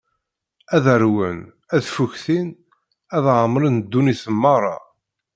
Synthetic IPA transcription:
æðəɾwən | æðfuçθin | æðʕəmɾənd̪ːuniθəmːɑɾˤɑ̰

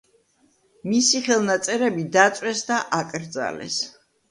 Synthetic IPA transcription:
misiχɛlˠnat̪sʼɛɾɛbid̪at̪sʼwɛsd̪aʔakʼɾd̪za̰lɛ̰s

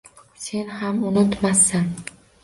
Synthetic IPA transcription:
se̞nhamʊnɪt̪masan

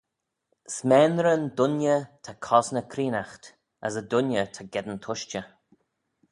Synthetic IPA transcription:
smɛːnɾənd̪ʊnjət̪ʰakʰɔsnəkʰɾiːnaxt̪ | əsədʊnjət̪ʰaɡɛd̪ənt̪ʰʊʃt͡ʃə

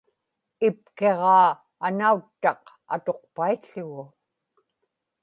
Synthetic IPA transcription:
ɪpke̞ʁɑː | anaut̪ːɑq | a̰t̪o̞q̚paiɬʊɣʊ

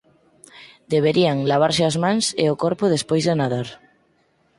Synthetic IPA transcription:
d̪eβ̞eɾiaŋlaβ̞aɾsɪazmãŋsḛʊkoɾpʊðespojzðenaðaɾ

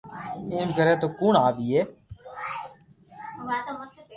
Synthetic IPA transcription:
iːmkəɾeːt̪oːkuːɳaːʋiːeː

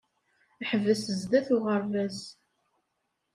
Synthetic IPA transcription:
ħəvːəsəzd̪æθʊʁəɾvæz

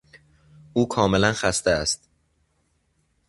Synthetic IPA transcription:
ʔuːkʰɒːme̞lænxæst̪eæst̪

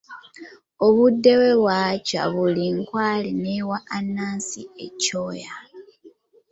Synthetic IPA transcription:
oβudːe̞we̞βwaːca̰βuliŋkwaːlinewaːnːaːnsiecoːja

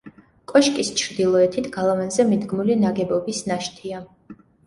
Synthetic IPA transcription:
kʼɔʃkʼist͡ʃʰɾd̪ilˠɔɛt̪ʰit̪ʰɡ̥alˠavɛnzɛmid̪ɡmulinaɡɛbɔbisnaʃt̪ʰia

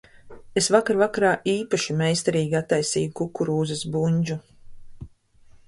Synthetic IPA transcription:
esvakaɾvakaɾaːʔiːpaʃimejst̪aɾiːɡʲiat̪ːajsḭːjukukːuɾuːzasbuɲʲd͡ʒu

